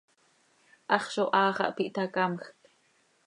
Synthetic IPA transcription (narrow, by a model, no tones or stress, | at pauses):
ʔɑχʃoʔɑːχɑ̰ʔpiʔt̪ɑkɑmxk